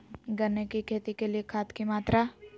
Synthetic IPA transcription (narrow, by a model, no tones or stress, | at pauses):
ɡɐnːekikʰeːt̪ikeliekʰaːt̪kimaːt̪ɾa